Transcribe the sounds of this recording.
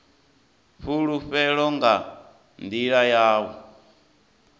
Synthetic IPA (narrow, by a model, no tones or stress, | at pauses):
ɸuɺuɸɛɺɔŋɡa | nd̪iɺajaːβɔ